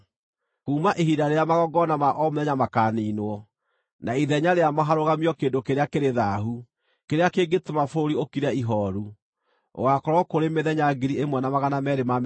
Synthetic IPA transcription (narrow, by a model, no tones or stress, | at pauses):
kuːmaʔeɦidaɾeamaɣɔɡɔnamaʔɔmeðɛɲamakaːniːnwɔ | naiðɛɲaɾeamɔɦaɾoɣamiɔkeːndokeɾeakeɾeðaɦu | keɾeakeːɡetomafoɾiokiɾaiɦɔɾu | o̰ɣakɔɾɔkoɾemeðɛɲaɡiɾiemwɛnamaɣanamɛɾema